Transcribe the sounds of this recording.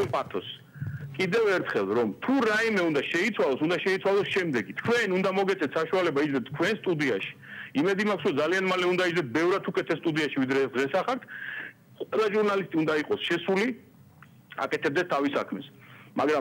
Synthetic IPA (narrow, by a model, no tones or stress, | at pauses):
pʼat̪ʰɔs | kʼid̪ɛvɛɾt̪ʰχɛlˠɾɔmt̪ʰuɾaimɛund̪aʃɛit̪sʰwalˠɔsund̪aʃɛit̪sʰwalˠɔsʃɛmd̪ɛɡit̪ʰkʰwɛnund̪amɔɡɛt̪sʼɛt̪ʰsaʃualɛbaid͡ʒlɛt̪̚ʰːkʰwɛnst̪ʼud̪iaʃi̥imɛd̪imakʰsɾɔd̪zalianmalɛund̪aid͡ʒlɛt̪̚bɛvɾat̪ʰukʼɛt̪ʰɛst̪ʼud̪iaʃivid̪ɾɛːsd̪ʁɛsaχak̚t̪ʰ | qʼwɛlˠaʒuɾnalist̪ʼiund̪aiqʼɔsʃɛsuli | a̰kʼɛt̪ʰɛb̚d̪ɛst̪ʰavisa̰kʰmɛsmaɡɾam